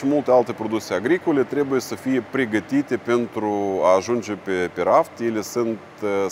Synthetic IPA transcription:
ɪmulˠt̪ʲealˠt̪epɾod̪uk̚t̪sʲejaɡɾikolʲet̪ɾʲebʊjesəfijepɾʲeɡət̪ʲit̪ʲepʲent̪ɾuaːʒund͡ʒepʲepʲeɾaft̪ilʲesɨnt̪

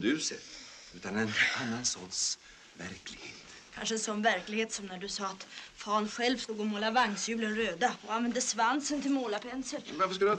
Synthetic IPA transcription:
d̪ʉ̟ːsɛ̰t̪ | ʉ̟ːt̪anɛnanːansɔ̰t̪s | væ̰ɾklɪɡhḛːt̪ | kʰa̰nʂəɛnsɔnvæɾklɪɡheːt̪sɔmnæɖɵsɑːat̪fɑːnɧɛlvst̪uːɡɔmoːlavaŋːsjʉ̟ːlənɾøːd̪aɔanvɛnd̪əsvansənt̪ɪlmoːlapʰɛnsəlvaɾfəʂkald̪

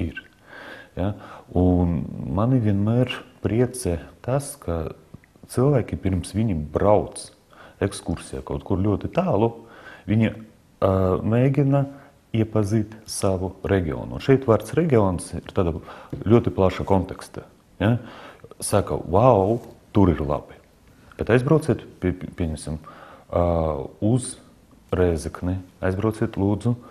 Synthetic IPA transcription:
iɾ | jaunmaniʋʲiɛnmɛːɾpɾʲiɛt̪sɛt̪askʰa | t̪sɨlˠvæːkʲipʲiɾmsʋʲiɲʲibɾawt̪s | ɛkskuɾsʲija̰kawt̪kuɾlʲuɔt̪it̪aːlˠuʋʲiɲʲi | mʲɛːɡʲina | iɛpazʲiːt̪ʲsaʋuɾɛɡʲio̰ːnuunʃɛjt̪vaɾt̪sɾɛɡʲiɔnsiɾt̪aːd̪alʲuɔt̪iplˠaʃakɔnt̪ɛkst̪a | ja | saka̰vawt̪uɾiɾlˠa̰b̥i | b̥ɛt̪ajzbɾawtsʲiːt̪pʲpʲiɛɲʲɛmʲsʲim | uz | ɾɛzikniajzbɾawt̪sʲiːt̪lˠuːd̪zu

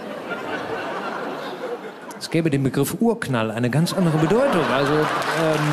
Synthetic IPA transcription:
ɛsɡ̥ɛːbədeːnbəɡʁɪfʔuːɐknalaɪnəɡant͡sʔandəʁ̞əbədɔʏtʊŋʔalzoɛːm

